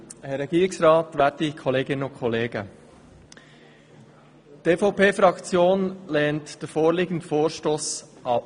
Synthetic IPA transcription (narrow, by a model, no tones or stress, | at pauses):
hɛɾɛɡ̥iːɾɪksɾɑːtʋætikʰɔleːɡɪnənʊnkʰɔleːɡə | d̥eːfɑʊpeːfɾɑkt͡sjoːnlɛːntd̥əfoːɾliːɡən̩dfoːɾʃtoːsʔɑp̚